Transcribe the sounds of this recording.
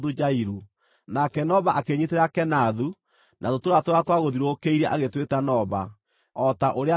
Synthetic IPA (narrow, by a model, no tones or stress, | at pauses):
ðud͡ʒaiɾu | nakɛnɔβaʔakeɲeteɾakɛnaðu | nʔa̰ðotoɾatoɾatwaɣoðiɾokeiɾɛʔaɣetwetanɔβa | ɔtaʔoɾea